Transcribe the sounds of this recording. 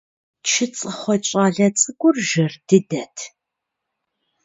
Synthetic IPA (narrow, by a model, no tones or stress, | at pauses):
t͡ʃʰɪt͡sʼɨχʷɔt͡ʃʼaːɮɐt͡sʼɨɡʷʊrʒɐrd̥ɨdɐtʰ